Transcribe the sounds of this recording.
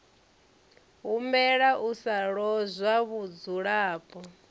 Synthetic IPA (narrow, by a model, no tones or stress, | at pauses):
ɦumbɛɺaʔusaɺɔzʷwaβud͡zuɺaːpʼɔ